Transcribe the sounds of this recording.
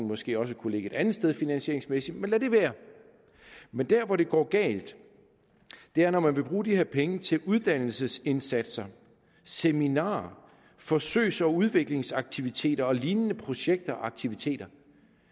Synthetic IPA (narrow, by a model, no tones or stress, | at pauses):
n̩mɒ̽sɡ̥e̝̰ːɒ̽s̬əkʰule̝ɡ̥əe̝d̥ænð̩ˠsd̥eð̞ˠfinænɕe̝ɐeŋsmesid̥menlæd̥e̝ʋæːɐ | mend̥æɐʋɒɾ̥e̝ɡ̥ɒ̰ːɡ̥ɛ̰ːld̥ | d̥e̝æɐnɒmænʋe̝b̥ʁuːd̥ihe̝ɐ̰pʰeŋət͡sʰe̝luð̞ˠd̥æn̰l̩səse̝nsæd̥sɐ | seminɑ̰̈ː | fɒ̽sø̰ːsɒ̽uð̞ˠʋe̝ɡ̥le̝ŋsɑ̈ɡ̥̚t͡sʰiʋit͡sʰe̝̰ːd̥ɐɒ̽liːnənəpʰʁo̝ɕeɡ̥̚d̥ɐʔɑ̈ɡ̥̚t͡sʰiʋit͡sʰe̝̰ːd̥ɐ